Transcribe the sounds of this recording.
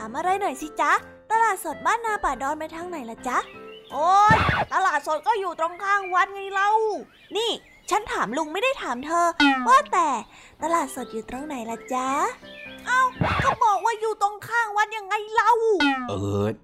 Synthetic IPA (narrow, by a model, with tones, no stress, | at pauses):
t̪ʰaː˨˦mʔa˧ɾa˧jnɔ˨˩jsi˧˦t͡ɕa˦˥ | t̪a˧laː˨˩t̪̚so˨˩t̪̚baː˥˩nːaː˧˩paː˨˩dɔː˧nma˧jt̪ʰaː˦˥ŋna˨˦jla˨˩t͡ɕa˦˥ʔʔoː˧jt̪a˧laː˨˩t̪̚so˨˩t̪̚kɔː˥˩juː˨˩t̪ɾo˧ŋkʰaː˥˩ŋwa˦˥nŋa˧jla˧˥˩w | niː˥˩ | t͡ɕʰa˦˥nt̪ʰaː˩˦mlu˧ŋma˥˩jda˥˩jt̪ʰaː˨˩˦mt̪ʰɤː˧waː˥˩t̪ɛː˨˩ | t̪a˧laː˨˩t̪̚so˨˩t̪̚juː˨˩t̪ɾo˧ŋna˨˩˦jla˨˩t͡ɕa˦˥ʔa˧˩wkʰa˧˥˩bɔː˨˩k̚waː˥˩juː˨˩t̪o˧ŋkʰaː˥˩ŋwa˦˥nja˧ŋːa˧jla˧˥˩wʔɤː˧˦